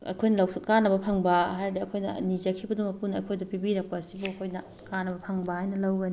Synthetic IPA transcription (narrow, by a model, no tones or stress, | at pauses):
ɐ̰kʰojnɐlɐwkanːɐbɐpʰaŋbɐɦajɾɐdiɐkʰojnɐnid͡ʒɐkʰibɐduŋɐpunɐkʰojdɐpibiɾɐk̚pɐsibuɐkʰojnɐ | kanːɐbɐpʰaŋbɐhajnɐlawɡɐni